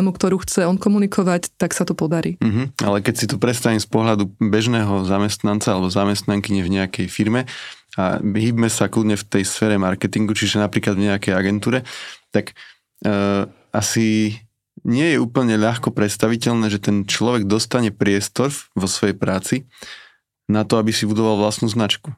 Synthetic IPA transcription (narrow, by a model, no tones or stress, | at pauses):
mukt̪ɔɾuːxt͡sɛɔnkɔmunikʰɔʋact̪aksat̪upɔd̪aɾiːm̩ɦ̩a̰lɛkɛcsit̪ɔpɾɛt̪st̪aʋimspɔɦlad̪ubɛʒnɛːɦɔzamɛst̪nant͡saalɛbɔzamɛst̪naŋkiɲɛvɲɛakɛjfiɾmɛa̰ɦiːbmɛsakludɲɛft̪ɛjsfɛːɾɛmaɾkɛt̪iŋɡut͡ʃiʒɛnapɾiːklad̪vɲɛakɛjaɡɛnt̪uːɾɛt̪akː | ʔasi | ɲɪɛjɛuːpl̩ɲɛʎaxkɔpɾɛt̪st̪aʋicɛʎnɛːʒɛt̪ɛnt͡ʃlɔʋɛɡ̚d̪ɔst̪aɲɛpɾɪɛst̪ɔɾʋɔsʋɔjɛjpɾaːt͡si | nat̪ɔabisibud̪ɔʋalʋlast̪nuːznat͡ʃku